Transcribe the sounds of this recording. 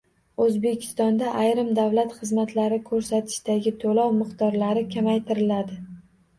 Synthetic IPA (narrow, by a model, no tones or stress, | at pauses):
ɵzbe̞kʲʰɪ̥st̪ɒnd̪aʔajɾɪmd̪awlat̪χɨzmat̪ʰlaɾɪkʰɵɾsat̪ʰɪ̥ʃd̪aɡʲɪt̪ʰolɒwmɪqt̪ɒɾlaɾɪkʲʰamajt̪ʰɪɾɪlad̪ɪ